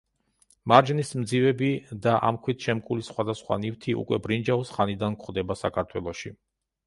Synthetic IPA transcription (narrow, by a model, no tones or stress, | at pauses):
maɾd͡ʒnismd̪zivɛbid̪aʔa̰mkʰwit̪ʰʃɛmkʼulisχwad̪asχwa̰nift̪ʰiʔṵkʼwɛbɾind͡ʒaɔsχanid̪ankʰχd̪ɛbasakʰaɾt̪ʰwɛ̰lˠɔʃi